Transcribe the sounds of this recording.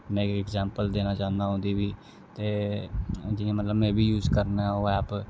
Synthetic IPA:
mẽkɪkzɛ̃ːmpəld̪eːnaːt͡ʃaːnd̪aːɦõnd̪ibiː | t̪eː | d͡ʒɪẽmət̪ləbmɛ̃ːbʱiːjuːzkəɾnaaoɛːp

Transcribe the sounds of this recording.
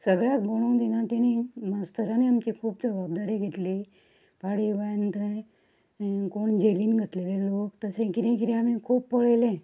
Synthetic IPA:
səɡɭjak̚boɽ̃ũŋd̪iɡãt̪eɽ̃iməst̪ʰəɾaniamt͡ɕikʰuːpd͡zəbab̚d̪aɾiɡʱeʈ̪li | paɽiʋajənt̪ə | koɳd͡ʑeliːnɡʱət̪lelelokt̪əsẽkit̪ẽkiɾĩam̤ĩkʰuːpːəɭjlẽ

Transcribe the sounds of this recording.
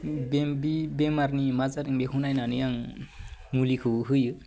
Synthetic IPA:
bebibemarnimad͡zaɾiŋbekʰunajnanijaŋ | mulikʰuɦuju

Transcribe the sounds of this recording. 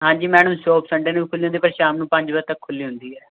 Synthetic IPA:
ɦãːɲd͡ʒiːmɛːɽəmsoːpsəɳɖeːnũːiːkʰʊlːiːɦʊ̃nd̪iːpəɾʃaːmnũːpə̃ɲd͡ʒbəɾt̪əkʰːʊlːiːɦʊnd̪iːɛː

